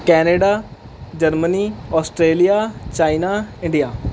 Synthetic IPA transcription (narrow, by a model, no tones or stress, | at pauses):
kɛːneːɖaː | d͡ʒəɾməniːɔːsʈɾeːlijaːt͡ʃaːinaːɪ̃ɳɖijaː